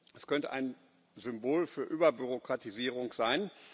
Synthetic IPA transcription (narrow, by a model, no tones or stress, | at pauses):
ʔɛskʰœntə̰ʔa̰ɪn | zʏmboːlfyːɐʔyːbɐbyʁokʁ̥atiziːʁ̞ʊŋz̥aɪn